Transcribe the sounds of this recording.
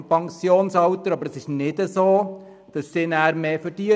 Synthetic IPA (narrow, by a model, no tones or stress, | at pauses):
mpʰɑŋsjoːnsɑwt̪əɾɑbəɾəsɪʃnɪdəsoː | d̥ɑsːɪːnæːɾmeːfəɾd̥iə